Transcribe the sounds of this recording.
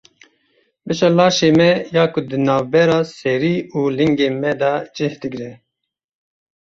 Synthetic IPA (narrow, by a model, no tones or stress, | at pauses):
bɨʃɑlɑːʃeːmɛjɑːkʊd̪ɨnɑːvbɛɾɑːsɛɾiːuːlɨŋɡeːmɛd̪ɑːd͡ʒɨhd̪ɨɡɾɛ